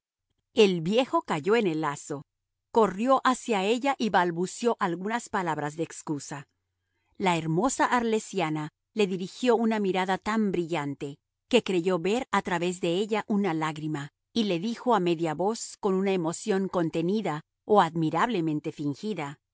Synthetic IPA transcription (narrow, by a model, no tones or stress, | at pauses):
e̞lβje̞xo̞kaʝo̞e̞ne̞laso̞ | ko̞rjo̞ʔasjae̞ʝaʔiβalβusjo̞ʔalɣunaspalaβɾazðeekskusa | laeɾmo̞saʔaɾle̞sjana | le̞ðiɾixjo̞unamiɾaðat̪ambɾiʝant̪e̞ | ke̞kɾe̞ʝo̞βe̞ɾat̪ɾaβe̞zðe̞eʝaʔunalaɣɾima | ile̞ðixo̞ame̞ðjaβo̞sko̞nunaemo̞sjo̞ŋko̞nt̪e̞niða | oaðmiɾaβle̞mẽ̞nt̪e̞fiŋxiða